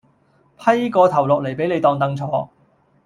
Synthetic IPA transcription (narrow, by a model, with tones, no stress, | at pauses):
pʰɐ˥jkɔː˧t̪ʰɐ˨˩wlɔ˨k̚le˨˩jpe˨˥jne˨˧jt̪ɔː˧ŋt̪ɐ˧ŋt͡sʰɔː˨˧˥